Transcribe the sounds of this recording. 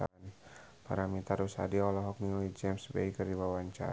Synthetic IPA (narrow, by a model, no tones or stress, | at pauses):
an | pa̰ɾamit̪aɾusa̰diɔlɔɦɔk̚niŋɔlid͡ʒɛmsbḛikərdibawaɲt͡ʃa̰